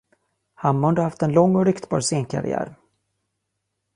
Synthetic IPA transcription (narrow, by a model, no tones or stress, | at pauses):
hamːɔnd̪aɾhaft̪ɛnlɔŋːɔɾʏkt̪bɑ̰ːɾseːnkʰa̰ɾɪ̰æ̰ːɾ